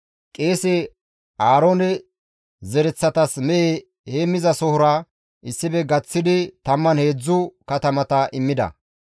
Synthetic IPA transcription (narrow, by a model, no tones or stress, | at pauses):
kʼeːsɛ | aːɾoːnɛ | zɛɾɛt͡sːɐt̪ɐsmɛʔe | heːmɪzɐsɔhʊɾɐ | ʔɪsːɪbɛɡɐt͡sːɪd̪ɪt̪ɐmːɐnhe̞ːd͡zːʊkɐt̪ɐmɐt̪ɐʔɪmːɪd̪ɐ̰